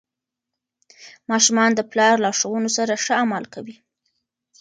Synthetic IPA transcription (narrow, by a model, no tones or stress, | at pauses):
mɑʃumɑnd̪əplɑɾlɑʂawunosaɾaʂəamalkawi